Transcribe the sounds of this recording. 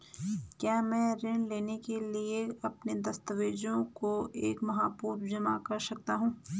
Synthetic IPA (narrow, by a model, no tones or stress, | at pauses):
kjaːmɛ̃ːɾẽːɳleːnekelieɐpned̪ɐst̪əʋeːd͡ʒõkoʔeːkmɐɦaːpuːɾmd͡ʒɐmakɐɾsɐk̚t̪aɦũː